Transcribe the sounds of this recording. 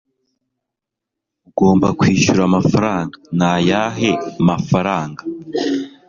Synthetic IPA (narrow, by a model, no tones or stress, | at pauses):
uɡo̞ːmbakwiːʃuɾamafaɾaːŋɡanajaɦe̞amafaɾaːŋɡa